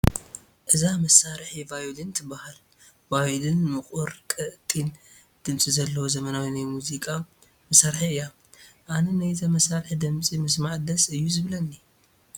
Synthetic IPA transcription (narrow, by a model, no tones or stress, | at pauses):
ʔɨzamɐsːaɾħivajud̪ɨnt̪ʰɨbahal | vajud̪ɨnmɨχʼuɾkʼɨʔtʼin | d̪̥ɨmt͡sʼizɐlːɐwozɐmɐnawinajmuzikʼa | mɐsaɾħiɨjːa | ʔanɐnajt̪ʰɐmɐsaɾħid̪ɨmt͡sʼimɨsmaʕd̪ɐsɨjːuzɨβlɐnːi